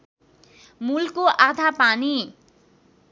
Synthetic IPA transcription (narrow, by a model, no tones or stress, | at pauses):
mulkoʔad̪ʱapani